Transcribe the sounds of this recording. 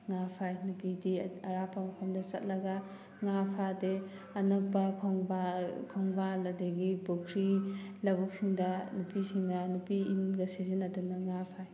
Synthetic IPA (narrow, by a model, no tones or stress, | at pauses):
ŋapʰajnupidiɐɾapːɐmɐpʰɐmdɐt͡ʃɐt̚lɐɡɐ | ŋapʰade | ɐnɐk̚pɐkʰoŋbakʰɔŋbalɐdeɡibokʰɾilɐbɔk̚siŋdɐnupisiŋnɐnupiːnɡɐsezenɐdunɐŋapʰaj